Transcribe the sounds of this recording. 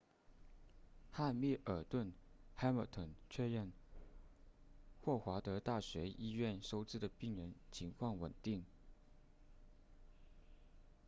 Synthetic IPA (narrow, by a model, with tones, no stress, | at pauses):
xa˥˧mɛ˥˩ʔə˞˨˩t̪wə˥˩nxa˥ɪmə˨˩t̪ʰə˨˩nt͡ɕʰɥɛ˥˧ɻɛ˥˩˧n | xwɔ˥˩xwa˧˥t̪ɤ˧˥t̪a˥˩ɕɥɛ˧˥ʔi˥ɥɛ˥˩nʂo˥ʊt͡sɹ̩˥˩d̪ə˩pi˥˩ŋɻə˧˥nt͡ɕʰi˧˥ŋkʰwɑ˥˩ŋwə˨˩nt̪i˥˩ŋ